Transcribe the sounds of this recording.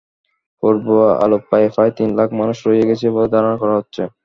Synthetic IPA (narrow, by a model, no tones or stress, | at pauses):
poɾbuaa̰lopːaefajt̪inlakʰmanuʃɾoijeɡet͡ɕʰebɔed̪ʱaɾonakɔɾaɦotːɕʰe